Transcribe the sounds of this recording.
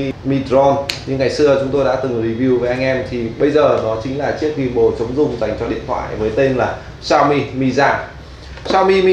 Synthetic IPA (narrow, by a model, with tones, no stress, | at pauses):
mi˧tzɔ˧nɲɨ˧ŋːa˨˩jsɨ˧ət͡ɕʊ˨˦ŋ͡mt̪o˧jɗa̰ː˧˥t̪ɨ˨˩ŋɾi˧˩vi˧wvəː˨˦jʔa˧ŋ̟ʔɛ˧mt̪ʰi˨˩ɓə˧jzəː˨˩nɔ˨˦t͡ɕï˨˦ŋ̟laː˨˩t͡ɕi˦˥ək̚vi˧mɓo˨˧˩t͡ɕə˨˦wŋ͡mzʊ˧˩ŋ͡mza˨˩jŋ̟t͡ɕɔ˧ɗḭ˧˨ənt̪ʰwa̰ː˧˨jvəː˨˦jt̪e˧nlaː˨˩ | saː˧wmi˧mi˧zaː˧ | t͡ɕaː˧wmi˧mi˧